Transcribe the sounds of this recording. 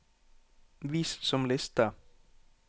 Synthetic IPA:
ʋist̪sɔmlɛst̪a

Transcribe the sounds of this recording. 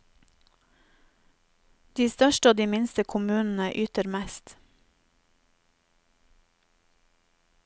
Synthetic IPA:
d̪̥iːst̪œʃʈəoːd̪iːmɪnst̪əkʰʊmʉːnn̩əʔyːt̪əɾmæst̪

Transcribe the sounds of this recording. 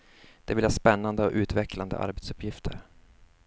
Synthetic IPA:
d̪̥ɛvɪlhɑːspɛnːand̪əɔʔʉ̟ːt̪vɛkland̪ə̰ʔa̰ɾbɛt̪sɵpjɪft̪ʰəɾ

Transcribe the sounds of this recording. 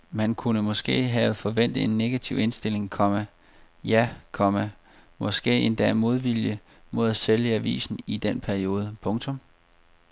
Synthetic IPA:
mænkʰunəmɒ̽sɡ̥e̝̰ːɦɛfɒ̽ʋen̰d̥ð̩e̝nːe̝ɡ̥æt͡sʰiʊe̝nsd̥e̝le̝ŋkʰɒ̽mæ | jækʰɒ̽mæ | mɒ̽sɡ̥e̝̰ːe̝nd̥ɛ̰mo̝ð̞ˠʋiljə | mo̝ð̞̰ˠæseljəæʋḭːsn̩id̥enpʰæɐio̝ːð̞ˠəpʰɔ̽ŋt͡sʰɔ̽m

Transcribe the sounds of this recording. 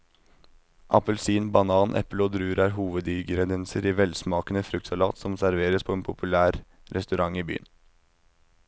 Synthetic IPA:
ʔɑpəlsiːnbɑnɑːnʔɛ̰ploːd̪ɾʉːɾæːɾɦuːʋəd̪iːɡɾɛd̪ɛnsəɾiːʋɛlsmɑːkənəfɾʉk̚t̪sɑlɑ̰ːt̪sɔmsæɾʋeːɾəspʰɔeːnpʰʊpʰʉlæːɾ | ɾʔɛst̪ʉɾɑŋiːby̰ːə̰n

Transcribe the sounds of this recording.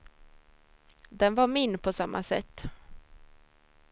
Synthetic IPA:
d̪ɛnvaɾmɪnːpʰɔsamːʔasɛ̰t̪ː

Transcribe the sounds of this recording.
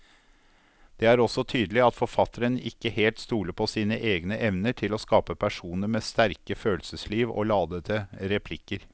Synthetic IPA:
d̪̥ɛæɾɔsɔt̪ʰyːd̪lɪɑt̪fɔɾfɑt̪əɾənɪkːəheːlt̪st̪uːləpʰɔsiːnəʔeːɡnəʔɛʋnəʈʰɪlɔskɑːpəpʰæʂuːnəɾmest̪æɾkəføːlsəsliːʋo̰lɑːd̪ət̪ʰəɾɛpʰlɪkːəɾ

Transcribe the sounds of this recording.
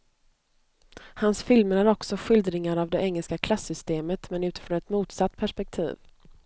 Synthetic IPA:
hansfɪlməɾæɾɔksɔɧʏld̪ɾɪŋaɾavd̪ɛɛŋːəlskakʰlasːʏst̪eːmət̪mɛnʉ̟ːt̪ɪ̥fɾɔnɛt̪muːt̪sat̪ːpʰæʂpɛk̚t̪ʰḭːv

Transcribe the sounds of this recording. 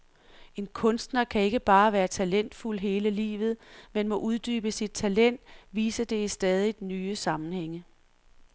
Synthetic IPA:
e̝nkʰɔ̽nsd̥nɐkʰæe̝ɡ̥əb̥ɑ̈ːʋæːɐt͡sʰælen̰d̥fulɦe̝ːləlḭːʋð̞̩ˠmenmɒ̽ʔuð̞ˠd̥yːb̥əsid̥̚t͡sʰælen̰d̥ʋiːsəd̥e̝isd̥ɛːð̞ˠid̥nyːəsɑ̈mn̩heŋ̰ə

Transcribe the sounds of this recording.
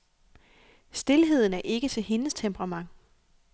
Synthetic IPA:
sd̥e̝lɦe̝ð̞̰ˠn̩æɐʔe̝ɡ̥ət͡sʰe̝lɦe̝nəst͡sʰempʰəʁɑ̈mɑ̈ŋ̰

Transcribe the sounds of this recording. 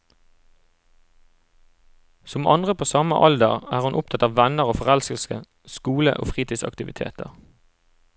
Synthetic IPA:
sɔmɑ̰nd̪ʁəpʰoːsɑməʔɑld̪əʁæːʁʉnʔʊp̚t̪ʰɑt̪ɑːʋʋænəʁoːfɔʁɛlskəl̩skə | skuːlə̰ʔo̰ːfʁiːt̪ʰiːsɑ̰kt̪ɪʋɪt̪ʰḛːt̪ʰə̰ʁ

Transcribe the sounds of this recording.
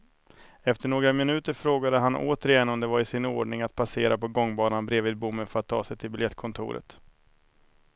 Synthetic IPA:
ɛft̪əɳoːɡɾamɪnʉ̟ːt̪əɾfɾoːɡad̪əɦanʔo̰ːt̪əɾɪjɛnːɔmd̪ɛvaɾɪsɪno̰ːɖɳɪŋat̪̚pʰaseːɾapɔɡɔŋːbɑːnanbɾeːvɪd̪̚bʊmːəfœɾat̪ʰːɑ̰ːsɛjt̪ʰɪlbɪljɛt̪̚ːkʰɔnt̪ʰʊ̰ːɾə̰t̪

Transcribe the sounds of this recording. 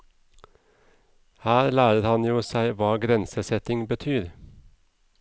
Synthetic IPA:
hæːɾlæːɾəɾhɑnjuːsæɪʋɑːɡɾɛnsəsɛt̪ɪŋbət̪ʰyːɾ

